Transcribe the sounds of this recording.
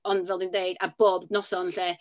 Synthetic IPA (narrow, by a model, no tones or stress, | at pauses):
ɔndvɛlˠdɪndeɨdab̥oːbdnɔsɔnɬɛ